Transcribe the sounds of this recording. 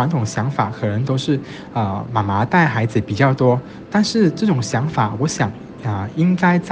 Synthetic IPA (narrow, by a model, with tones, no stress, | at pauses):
wa˧˥nt̪ʰʊ˨˩ŋɕjɑ˧˥ŋfa̰˨˩˦kʰɤ˨˩nə˧˦ŋt̪o˥ʊʂɻ̩˥˩ | ə˧ma˨˩ma˧˥t̪a˥˩ɪxa˧˥ɪd͡zɹ̩˨˩pi˨˩t͡ɕjɑ˥˩ʊt̪wɔ˥ | t̪a˥˧nʂɻ̩˥˧ʈ͡ʂɤ˥˩ʈ͡ʂʊ˨˩ŋɕjɑ˧˥ŋfa˨˩wɔ˧˥ɕjɑ˨˩ŋ | ə˧i˥ŋka˥ɪt͡s